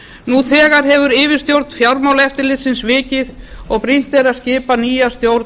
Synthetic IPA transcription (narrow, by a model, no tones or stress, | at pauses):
nuθɛːɣaɾ̥ɦɛvʏɾɪːvɪɾ̥st̪jowɾt̪n̥fjawɾmawlɛft̪ɪɾlɪt̪sɪnsvɪːcɪðɔɣpɾin̥t̪ɛɾascɪːpaniːjast̪jowɾ